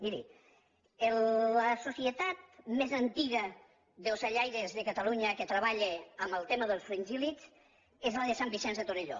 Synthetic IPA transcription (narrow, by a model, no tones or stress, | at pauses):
d̪iɾḭ | eləsusiet̪at̪̚mezənt̪iɣə | ðelzaʎajɾezðekat̪aluɲəket̪ɾəβ̞aʎeəmbəlˠt̪eməðəlˠsfɾeɲʲʒilit͡s | ezlaðesambisɛnzðet̪oneʎo̰